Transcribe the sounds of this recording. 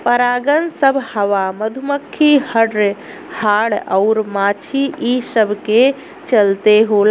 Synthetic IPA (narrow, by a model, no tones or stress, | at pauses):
pəɾaːɡənsəbʱhəʋaməd̪ʱuməkʰːihəɖ | haːɽə̰ʊɾmaːt͡ʃʰiʔisəbʱke | t͡ʃəlt̪eɦol